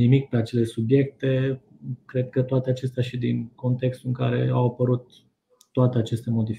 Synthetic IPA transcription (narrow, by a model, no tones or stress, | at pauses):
nimik̚pe̞at͡ʃe̞le̞subje̞k̚t̪e̞ | kɾe̞d̪̚kət̪oat̪eat͡ʃe̞st̪eaʃid̪inko̞nt̪e̞kst̪uɨŋkaɾe̞̰awapəɾut̪ː | oat̪e̞at͡ʃe̞st̪e̞mo̞d̪ifi